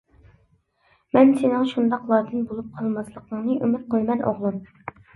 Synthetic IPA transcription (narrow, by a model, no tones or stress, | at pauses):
mɛnsenɪŋʃund̪ɑqlˠɑːd̪ɨnbolˠup̚qʰɑlˠmɑslˠəqʰəŋnɨʔymɪt̪̚qʰəlˠmɛnʔo̰ʁlˠɨm